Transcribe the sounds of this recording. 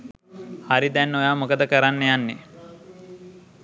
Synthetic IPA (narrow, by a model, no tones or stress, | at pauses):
haɾid̪ænːojaːmukəd̪əkəɾanːejanːe